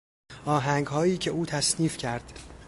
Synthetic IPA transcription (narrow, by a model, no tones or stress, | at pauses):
ʔɒːɦæŋɡhɒːjiːcʰe̞uːt̪ʰæsniːfcʰæɾd̪̥